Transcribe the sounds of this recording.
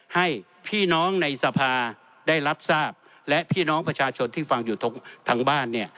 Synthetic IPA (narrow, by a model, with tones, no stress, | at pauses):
ha˥˩j | pʰiː˥˩nɔː˦˥ŋna˧jsa˧pʰaː˧ | daː˥˩jɾa˦˥p̚saː˥˩p̚ | lɛ˦˥ʔpʰiː˥˩nɔː˦˥ŋpɾa˧t͡ɕʰaː˧t͡ɕʰo˧nt̪ʰiː˥˩fa˧ŋjuː˨˩t̪ʰo˧˥ŋt̪ʰa˧ŋbaː˥˩nːi˥˩ɐ